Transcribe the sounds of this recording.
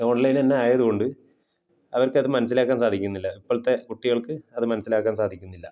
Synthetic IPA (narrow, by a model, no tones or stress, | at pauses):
oːɳɖleinenːe̞aːjɐðuɣo̞ɳɖɨ | ɐʋɐrkɐðɨmɐnɐs̬ːilaːkːaːnsaːd̪ʱikʲːunːilːɐipːoɭt̪ːe̞kuʈːiɣɐɭkɨɐðɨmɐnɐsilaːkːaːnsaːd̪ʱikʲːunːilːɐ